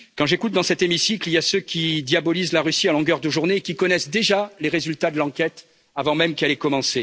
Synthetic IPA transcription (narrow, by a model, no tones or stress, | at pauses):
kɑ̃ʒekut̪̚d̪ɑ̃sɛt̪emisikliljasøkʲid̪jabɔlizlaʁysialɔ̃ɡœʁd̪əʒuʁneːkʲikɔnɛsd̪eʒaleʁezylt̪ad̪əlɑ̃kʲɛt̪ | avɑ̃mɛmkɛlɛkɔmɑ̃se